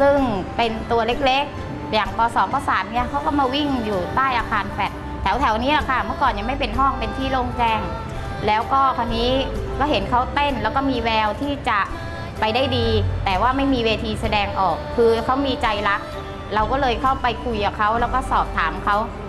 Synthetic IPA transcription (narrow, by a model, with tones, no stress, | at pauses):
sɯ˥˩ŋpe˧nt̪u˧ɐle˦˥k̚le˦˥k̚ | jaː˨˩ŋpʰɔː˨˦sɔː˨˦mʰɔ˧˥˩saː˩˦t̪̚ni˥˩ɐkʰa˦˥wkɔː˥˩maː˧wi˥˩ŋjuː˨˩t̪aː˥˩jʔaː˧kʰaː˧nfɛ˨˩t̪̚ʰːɛ˩˦wt̪ʰɛ˩˦wniː˦˥la˧˩kʰa˥˩mɯ˥˩kɔː˨˩nja˨˩ŋma˥˩jpe˧nɦɔː˥˩ŋpe˧nt̪ʰiː˥˩loː˧˩ŋt͡ɕɛː˧˩ŋ | lɛː˦˥wkɔː˥˩kʰa˧nːiː˦˥kɔː˥˩he˩˦nkʰa˦˥wt̪e˥˩nlɛː˦˥wkɔː˥˩miː˧wɛː˧wt̪ʰiː˥˩t͡ɕa˨˩ | pa˧jda˥˩jdiː˧t̪ɛː˨˩waː˥˩ma˥˩jmiː˧weː˧t̪ʰiː˧sa˧dɛː˧ŋʔɔː˨˩kʰːɯː˧kʰa˦˥wmiː˧t͡ɕa˧jla˦˥k̚ | ɾa˧wkɔː˥˩lɤː˧jkʰa˥˩wpa˧jkʰu˧jkaː˨˩kʰa˦˥wlɛː˦˥wkɔː˥˩sɔː˨˩p̚t̪ʰaː˩˦mkʰa˦˥w